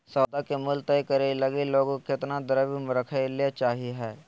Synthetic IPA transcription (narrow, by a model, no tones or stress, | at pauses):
sɔːd̪akemʊlt̪ɛjkɐɾelɐɡiloːɡõkeɪt̪nad̪ɐɾəbimɾəkʰalet͡ʃaːɦiɦɛː